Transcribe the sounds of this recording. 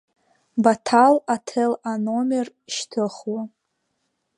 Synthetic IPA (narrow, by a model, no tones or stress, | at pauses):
batʰalatʰelanomer | ʃtʰɨχwa